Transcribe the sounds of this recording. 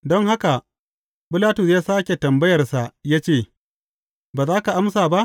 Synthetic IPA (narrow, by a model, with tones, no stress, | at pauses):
dɔ˦ŋɦa˦ka˨ | pɪ˦laː˦tʊ˨sjaː˦saː˦kʲe˨tɐ˨mbɐ˦jɐ˨rsa˨ʔjaː˦t͡ʃeː˦˨ | baː˨zaː˦ka˨ʔa˦msaː˨ba˦ʔ